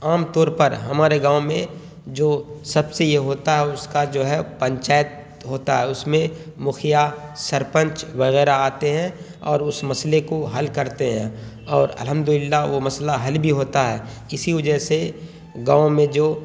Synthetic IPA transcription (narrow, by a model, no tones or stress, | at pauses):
aːmt̪ɔːɾpɐɾɦɐmaːɾeɡãːomẽ | d͡ʒoːsɐbsejeɦoːt̪aɦɛʊskad͡ʒoːɦɛpə̃ɲt͡ʃaːjət̪̚ | ɦoːt̪aɦɛːʊsmẽmʊxʰijasɐɾpə̃ɲt͡ʃʋɐɣɛːɾaaːt̪eɦɛ̃ | ɔːɾʊsmɐslekoɦɐlkɐɾt̪eɦɛ̰̃ | ɔːɾɐ̰lɦə̃md̪ʊlɪlːaʋomɐslaɦɐlbʱiɦoːt̪aɦɛː | ɪsiʋɐd͡ʒəɦse | ɡãːõmẽd͡ʒoː